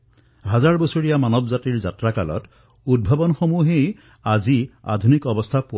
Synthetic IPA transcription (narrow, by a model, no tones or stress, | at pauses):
ɦazaɹbɔsoɹijamanɔbzatiɹza̰tɹakalɔ̰t | ud̚bʱabɔnxomuɦej | azia̰d̪ʱunikɔbɔst̪ʰapo